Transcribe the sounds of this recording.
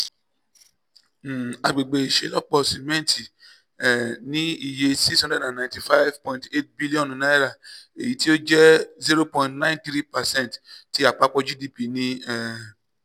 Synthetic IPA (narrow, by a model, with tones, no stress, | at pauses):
a˨˧ɡ͡be˨ɡ͡be˧i˨ʃḛ˨˦lɔ˦k͡pɔ˦˨si˨mɛ̃˦n˨tʰi˨ | ɛ˨nĩ˦i˦˨je˧si˦shɔ̃˦ndɛ˦dã˨nnã˨ti˨fa˦jvpɔ̃˧ĩnte˦t̚bi˦li˦ɔ̃˦˨nũ˨nã˨˦ɛ˦ɾa˨e˨ji˨˦ti˦o˦d͡ʒɛ˦zi˦ɾo˦pɔ̃˧˨ntnã˦ĩ˦ntɾi˦pa˨sɛ̃˦˨ntti˦a˨k͡pa˧k͡pɔ˧d͡ʒi˦di˦pi˧nĩ˧ɛ˧˨